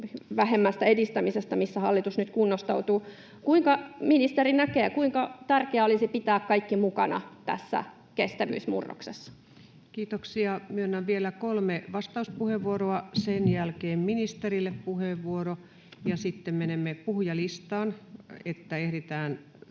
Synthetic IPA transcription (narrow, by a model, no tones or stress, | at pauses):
ʋæɦemːæst̪æedist̪æmisest̪ɑmisːæhɑlːit̪usnyt̪kunːost̪ɑut̪uː | kuiŋkɑminist̪erinækeːkuiŋkɑt̪ærkeæolisipit̪æːkkɑikːimukɑ̰nɑ̰t̪æ̰sːæ̰ | kest̪æʋy̰ːsmṵrːo̰ksesːɑ̥ | kiːt̪oksiɑmyøonːɑʋʋielækolmeʋɑst̪ɑuspuheʋʋuoroɑsenjælkeːmminist̪erilːeppuheʋʋuoro | jɑsit̪ːemmenemːepuhjɑlist̪ɑːnet̪ːæehɾet̪æːn